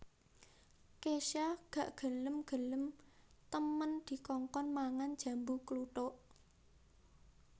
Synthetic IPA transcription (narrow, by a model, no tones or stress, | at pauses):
keʃaɡ̥a̤ʔɡ̥ə̤ləmɡ̥ə̤ləmt̪əmənd̪̥i̤kɔŋkɔnmaŋand̥ʒ̥ä̤mbukluʈoʔ